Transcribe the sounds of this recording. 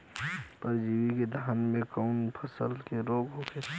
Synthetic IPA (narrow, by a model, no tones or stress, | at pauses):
pəɾd͡ʒiːwiked̪ʱaːnmẽkaʊnpʰəsəlkeɾoːɡɦokʰe